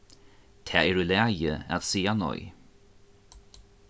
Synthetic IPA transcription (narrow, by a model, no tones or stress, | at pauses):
t̪ʰɛ̰ːɛɾʉlɛjəa̰t̪siːanɔ̰j